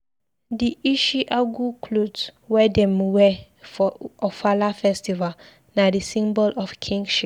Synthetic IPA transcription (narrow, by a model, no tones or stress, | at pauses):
diiʃiʔaɡukʰlodswɛdɛ̃mwɛ | fɔʔɔfalafɛstival | nadisĩmbɔlɔfkʰĩŋɡʃip